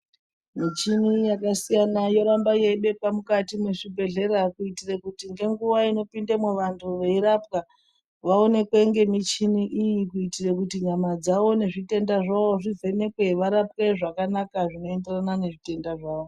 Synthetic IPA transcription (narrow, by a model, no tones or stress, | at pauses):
mit͡ʃinijakasijanajo̞ɾambajeiɓe̞pamukatimweʂibʱe̞ɮe̞ɾakuitirekutiŋɡe̞ŋɡuʋaino̞pindamuʋantʰuʋe̞iɾapka | ʋao̞ne̞kwe̞ŋɡe̞mit͡ʃiniʔijikuitirekutiɲamad͡zaʋo̞ne̞ʐite̞ndaʐaʋo̞ʐive̞ne̞kwe̞ʋaɾap̚ke̞ʐakanakaʐino̞e̞nde̞ranane̞ʐite̞ndaʐaːʋo